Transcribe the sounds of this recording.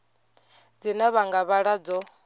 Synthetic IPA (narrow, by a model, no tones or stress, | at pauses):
d͡zinaβaŋɡaβaɺad͡zɔ